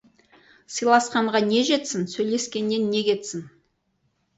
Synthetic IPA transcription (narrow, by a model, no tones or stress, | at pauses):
sɨjlˠɑsqɑɴʁɑne̞ʒe̞t̪sɪnsɵjle̞skʲe̞nːe̞nːe̞kʲʰe̞t̪sɪn